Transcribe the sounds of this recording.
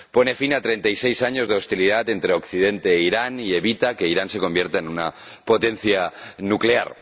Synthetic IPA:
po̞ne̞finat̪ɾe̞nt̪ajse̞jsaɲo̞zð̞e̞o̞st̪iliðat̪e̞nt̪ɾeo̞kθiðe̞nt̪e̞ːiɾanie̞βit̪ake̞iɾanse̞ko̞mbje̞ɾt̪aenunapo̞t̪e̞n̟θjanukle̞a̰ɾ

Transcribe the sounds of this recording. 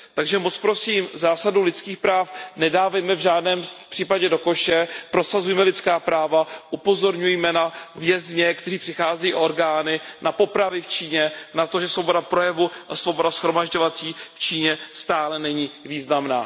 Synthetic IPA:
t̪aɡʒɛmot͡spɾo̞siːmzaːsadulɪt͡skiːxpɾaːfnɛdaːvɛjmɛvʒaːdnɛːmpr̥iːpaɟɛdo̞ko̞ʃɛpɾo̞sazujɛmɛlɪt͡skaːpɾaːvaʔupo̞zo̞ɾɲujɛmɛnavjɛzɲɛkt̪ɛriːpr̝̥ɪxaːzɛjiːʔo̞ɾɡaːnɪnapo̞pɾavɪft͡ʃiːɲɛnat̪o̞ʒɛsvo̞bo̞dapɾo̞jɛvuasvo̞bo̞dasxɾo̞maʒɟovat͡siːft͡ʃiːɲɛst̪aːlɛnɛɲiːviːznamna̰ː

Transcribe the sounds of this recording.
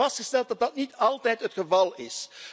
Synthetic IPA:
ɑstχəstɛlˠt̚dɑd̚dɑtnitɑlˠtɛjtɦətχəvɑlˠɪs

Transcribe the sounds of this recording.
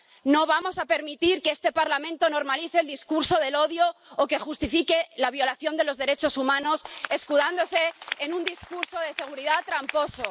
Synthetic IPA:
no̞β̞amo̞sape̞ɾmit̪iɾkeest̪e̞paɾlamẽnt̪o̞no̞ɾmaliθe̞ːld̪iskuɾso̞ðe̞lo̞ðjo̞ːke̞xust̪ifike̞laβ̞jo̞laθjo̞nd̪elo̞zðe̞ɾe̞t͡ʃo̞sumãno̞se̞skuðand̪o̞se̞ːnũnd̪iskuɾso̞ð̞e̞se̞ɣ̞uɾiðat̪ɾampo̞so̞

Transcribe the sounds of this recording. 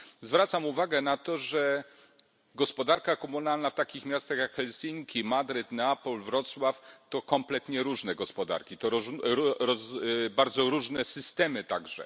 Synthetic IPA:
zvɾat̪samuvaɡɛnat̪ɔʐɛ | ɡɔspɔd̪aɾkakɔmunalnaft̪akʲixmʲjast̪axjakxɛlsʲiŋkʲimad̪ɾɘt̪napɔlvɾɔt̪swaft̪ɔkɔmplɛt̪ɲɛɾuʐnɛɡɔspɔd̪a̰ɾkʲit̪ɔɾɔɾɔzbaɾd̪zɔɾuʐnɛsɘst̪ɛmɘt̪aɡʐɛ̰

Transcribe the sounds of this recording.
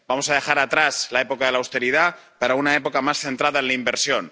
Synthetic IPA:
bamo̞saðe̞xaɾat̪ɾaslae̞po̞kaðe̞lawst̪e̞ɾiðapaɾaunae̞po̞kamasθe̞nt̪ɾaðaenlaimbe̞ɾsjo̞n

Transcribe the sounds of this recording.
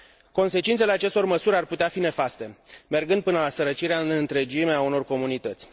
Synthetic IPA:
ko̞nse̞t͡ʃint̪sele̞at͡ʃe̞st̪o̞rməsuɾʲarput̪eafine̞fast̪e̞me̞rɡɨnd̪̚pɨnəlasəɾət͡ʃiɾeaɨnɨnt̪ɾe̞d͡ʒimeauno̞rko̞munit̪ət̪sʲ

